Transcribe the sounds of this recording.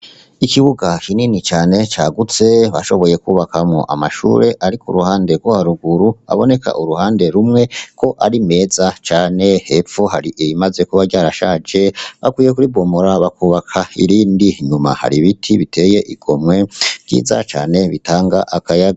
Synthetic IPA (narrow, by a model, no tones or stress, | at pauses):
ikiβuɡakininit͡ʃaːne̞t͡ʃaːɡut͡se̞βaʃo̞βo̞je̞kuːβakamŋo̰ʔamaʃṵːɾe̞ʔaɾikuɾuhaːnde̞ɾɡwohaɾuɡuɾua̰βo̞ne̞ka̰ʔuɾuhaːnde̞ɾumŋe̞kʰo̞ʔaɾime̞ːzat͡ʃaːne̞hefohaɾiʔimaze̞kuβaɾɟaːɾaʃad͡ʒe̞βakwiːjekuɾibɡomoɾaβakuːβakʰaḭɾiːndiɲuma̰ha̰ɾiβitʰiβite̞ːje̞ʔiɡ̥o̞mŋwe̞ɟ̥ḭːza̰t͡ʃa̰ːne̞βitaːŋɡaʔakajaɡa